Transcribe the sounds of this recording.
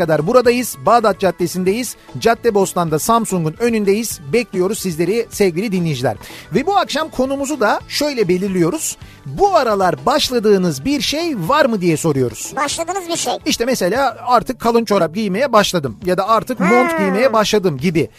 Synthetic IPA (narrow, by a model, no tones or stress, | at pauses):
ad̪aɾbuɾad̪ajɯz̥baːd̪at̪̚d͡ʒat̪ːesind̪ejiz̥ | d͡ʒat̪ːɛbo̞st̪ʰand̪asamsuŋɡunø̞nynd̪ejiz̥bɛclʲijo̞ɾuzsizlʲe̞ɾisɛvɡʲilʲid̪inlʲijd͡ʒilʲæ̰ɾvɛbuakʃamkʰo̞numuzud̪aʃø̞jlʲɛbe̞lʲiɾlʲijo̞ɾuz̥ | buaɾalˠaɾbaʃlˠad̪ɯːnɯzbiɾʃejvaɾmɯd̪ijɛso̞ɾujo̞ɾuz̥baʃlˠad̪ɯːnzbiɾʃejiʃt̪ʰɛmɛse̞lʲaːaɾt̪ʰɯkʰːalˠɯnt͡ʃʰo̞ɾap̚ɟijmejɛbaʃlˠad̪ɯmjad̪aaɾt̪ʰɯkmo̞nt̪ɟijmejɛbaʃlˠad̪ɯmɟibi